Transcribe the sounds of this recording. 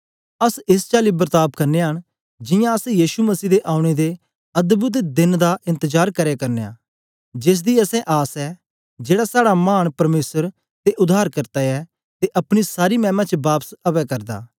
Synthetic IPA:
ɐsɪst͡ʃaːlibəɾt̪aːb̚kɐɾneɦɐɽ̃ | d͡ʒɪ̃jãɐsɛ̃jiːʃumɐsiːd̪eʔaːʊɽ̃ed̪e | ɐd̪bʊt̪d̪ɪnd̪aʔɪ̃nt̪əd͡ʒaːɾkɐɾekɐɾneja̰ː | d͡ʒɪs̬d̪iɐsɛ̃ʔaːsɛ | d͡ʒeːɽasaːɽamaːɳ̃pɐɾmeːsəɾ | t̪eʔʊd̪ʱaːɾkɐɾt̪aɛ | t̪eʔɐpɽ̃isaːɾimɛ̃ːmãt͡ʃəbaːpsɐpɛkɐɾd̪a̰ː

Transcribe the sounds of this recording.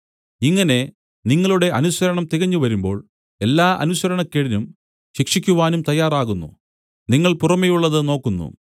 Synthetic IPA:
iŋːɐne̞ | niŋːɐɭuɽe̞ʔɐnuɕɐɾɐɳɐmt̪iɣɐɲːuʋɐɾumbo̞ːɭ | e̞lːaːʔɐ̰nusɐɾɐɳɐkːeɽinum | ɕikʂikʲːuʋaːnumt̪ɐjːaːraːɣunːṵ | niŋːɐɭpurɐmɐjuɭːɐðɨno̞ːkːunːṵ

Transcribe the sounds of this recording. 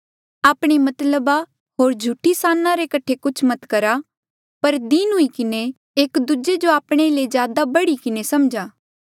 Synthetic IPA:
aːpɽ̃imɐt̪ləba | ɦoːɾd͡ʒʱuʈisaːnːãɾekɐʈʰekʊt͡ʃʰmɐt̪kɐɾa | pɐɾd̪inɦʊikɪne | eːkd̪ud͡ʒed͡ʒoaːpɽ̃elezjaːd̪abɐɽikɪnesɐmd͡ʒaː

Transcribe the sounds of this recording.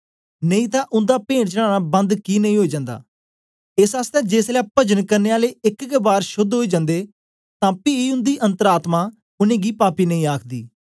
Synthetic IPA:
nəĩːt̪ãːʔʊnd̪aːpẽːɽt͡ʃəɽ̃ãːnaːbə̃nd̪kiːnəĩːɦoːiːd͡ʒãːnd̪a̰ː | ɪsaːst̪ɛ̃ːd͡ʒeːslaːpəd͡ʒənkəɾneːaːleːɪkkebaːɾʃʊd̪ɦoːiːd͡ʒãnd̪eː | t̪ãːpiːiʊ̃nd̪iːʔə̃nt̪əɾaːt̪mãː | ʊnẽːɡiːpaːpiːnəĩːaːkʰd̪ḭː

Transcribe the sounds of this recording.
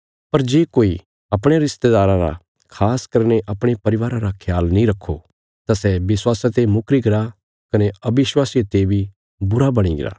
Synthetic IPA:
pɐɾd͡ʒeːkoːi | ɐpɽ̃eɾɪst̪ed̪aːɾãɾa̰ | kʰaːskɐɾñeʔɐpɽ̃epɐɾɪʋaːɾãɾakʰjaːlnĩɾɐkʰːo | t̪asɛbɪswaːsat̪emʊkɾiɡɪɾa | kɐneɐbɪʃwaːsijet̪eːbʱi | bʊɾabɐɽ̃iɡɪ̰ɾa̰ː

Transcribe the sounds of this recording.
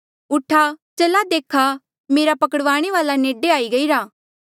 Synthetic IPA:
ʊʈʰat͡ʃelad̪eːkʰa | meːɾapɐkəɽəʋaːɽ̃eʋaːlaneːɖeaːiɡɐiɾaː

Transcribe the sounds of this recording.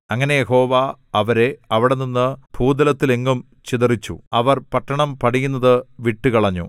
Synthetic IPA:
ɐŋːɐne̞jeho̞ːʋaɐʋɐɾe̞ɐʋiɽeninːɨb̥ʱuːd̪ɐlɐt̪ːile̞ŋɡum | t͡ɕiðɐrit͡ɕːṵɐʋɐrpɐʈːɐɳɐmpɐʈijunːɐðɨʋiʈːukɐɭɐɲːṵ

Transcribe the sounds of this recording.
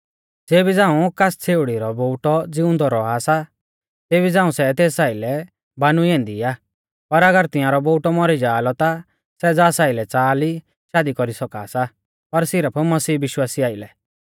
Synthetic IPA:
d͡zeːbid͡zãːũkast͡sʰeːʊɽiɾɔboːʈɔd͡zɪʊ̃nd̪ɔɾɔaːsa | t̪eːbid͡zãːũsɛt̪eːsaːɪlɛ | banuɛ̃ːnd̪iaː | pɐɾɐɡəɾt̪ɪ̃jãːɾɔboːʊʈɔmɔɾid͡ʒaːlɔt̪a | sɛd͡zaːsaːɪlɛt͡saːli | ʃaːd̪ikɔɾisɔka̰ːsa | pɐɾsɪɾəpʰmɐsiːbɪʃwaːsiaːɪlɛ

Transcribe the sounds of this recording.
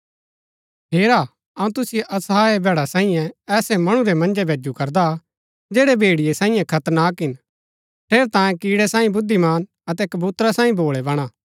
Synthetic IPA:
ɦeːɾaː | ɐũt̪ʊsɪjeʔɐsaːebʱɛːɽasãːĩjɛ̃ɛːsɛmɐɽ̃ũɾɛmɐ̃nd͡ʒɛbʱeːd͡ʒukɐɾd̪a | d͡ʒeːɽebʱeːɽɪjesãːĩjɛ̃kʰɐt̪ənaːkɦɪn | ʈʰeːɾt̪ãːjẽkiːɽɛsãːĩbʊd̪ʱːimaːn | ɐt̪̬ɛkɐbuːt̪ɾasãːĩbʱoːɭɛbɐɽ̃aː

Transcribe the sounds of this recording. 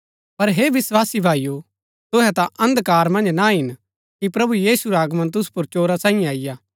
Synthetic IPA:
pɐɾɦeːʋɪswaːsibʱaːiju | t̪ʊɦɛt̪ãʔɐ̃nd̪kaːɾmɐ̃nd͡ʒnaɦɪn | kipɾɐbujiːsuɾaːɡmɐ̃nt̪ʊspʊɾt͡ʃoːɾasãːĩjẽaːɪjaː

